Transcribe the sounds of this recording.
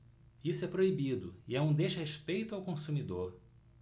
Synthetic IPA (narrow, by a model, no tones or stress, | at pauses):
isʊɛpɾoibid̪ʊɪɛũd̪ezheʃpejt̪ʊawkõsumid̪oɾ